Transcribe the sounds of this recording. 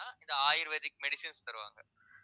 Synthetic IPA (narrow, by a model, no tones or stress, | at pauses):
aːɪnd̪ɐaːjɪɾʋeːðɪkːmɛɽɪsɪnst̪ɐɾɯʋa̰ːŋɡɐ